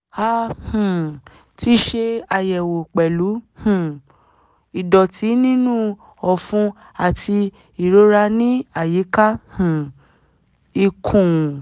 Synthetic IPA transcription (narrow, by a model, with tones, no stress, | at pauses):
ha˧hũ˨ | ti˦ʃe˧a˧jɛ˨wo˨k͡pɛ˨lu˨˦hũ˨ | i˨dɔ˨tʰi˨˦nĩ˦nũ˦ | ɔ˨fũ˦ | a˨tʰi˧ | i˨ɾo˨˦ɾa˧nĩ˦a˨ji˨˦ka˦hũ˨ | i˧kʰũ˨